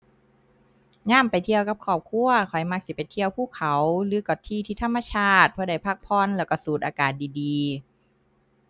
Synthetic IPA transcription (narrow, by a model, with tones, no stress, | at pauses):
ŋaː˧˥˩mpa˨jt̪ʰi˧əwka˧˦p̚kʰɔː˧˨˩p̚kʰu˧˩ɐkʰɔ˨˩jma˧˩k̚si˧˦˩pe˨˩nt̪ʰi˧əwpʰuː˧˥˩kʰa˨˩˦wlɯː˨˦kɔ˨˩t̪ʰiː˧˩t̪ʰiː˧˥˩t̪ʰa˧˥˩mːa˧t͡ɕʰaː˥˩t̪̚pʰɔː˧˩da˧˩jpʰaː˧˥˩k̚pʰɔː˧˥˨nlɛː˧˩wka˧˩suː˨˩˦t̪ʔaː˧kaː˨˩t̪̚diː˨˩diː˨˧